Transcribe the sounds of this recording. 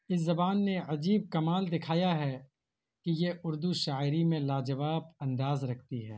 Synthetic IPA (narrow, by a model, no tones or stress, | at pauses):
ɪs̬zɐbaːnːeɐd͡ʒiːb̚kɐmaːld̪ɪkʰaːjaɦɛ | kijeʔʊɾd̪uʃaːɪɾimẽlaːd͡ʒɐʋaːbɐ̃nd̪aːzɾɐkʰt̪iɦɛ̰ː